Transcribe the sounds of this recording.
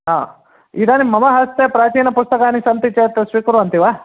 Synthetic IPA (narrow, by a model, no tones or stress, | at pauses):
ɦaː | id̪aːnimɐmɐɦɐst̪epɾaːt͡ʃiːnɐpust̪ɐkaːnisɐnt̪it͡ʃet̪ːɐsʋiːkuɾuɐnt̪iʋaː